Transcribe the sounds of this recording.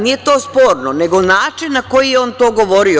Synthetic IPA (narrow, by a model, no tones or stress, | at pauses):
nijet̪o̞ːspo̞ːɾnone̞ɡo̞naːt͡ʂinːako̞jijeo̞ːnt̪o̞ːɡo̞ʋo̞ɾio